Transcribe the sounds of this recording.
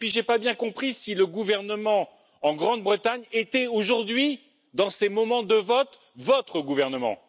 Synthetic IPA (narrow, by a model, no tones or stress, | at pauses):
pɥiʒepabjɛ̃kɔ̃pχisiləɡuvɛʁnəmɑ̃ | ɑ̃ɡʁɑ̃d̪̚bʁət̪aɲet̪ɛoʒuʁd̪ɥi | d̪ɑ̃semɔmɑ̃d̪əvɔt̪ | vɔt̪χəɡuvɛʁnəmɑ̰̃